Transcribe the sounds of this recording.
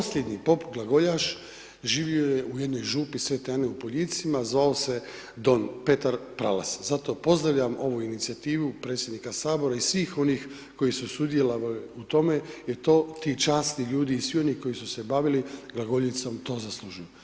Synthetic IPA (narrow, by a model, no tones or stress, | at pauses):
posʎed̪ɲipo̞pɡlˠaɡo̞ʎaʃ | ʒiːʋiojeujed̪no̞jʒuːpisʋe̞t̪eaneupoʎiːt̪simazʋaose̞ | d̪o̞npe̞t̪aɾpɾa̰la̰szat̪o̞po̞zd̪ɾaʋʎamo̞ʋuinit̪siat̪iːʋupɾe̞ːt̪sʲjed̪nikasaːbo̞ɾaisʋiːxo̞nix | ko̞jisusud̪jelaʋut̪o̞me̞jet̪o̞ːt̪it͡ʃaːst̪niʎuːd̪iːsʋio̞niko̞jisuse̞baʋiliɡlaɡo̞ʎit̪somt̪o̞ːzaslˠuʒuju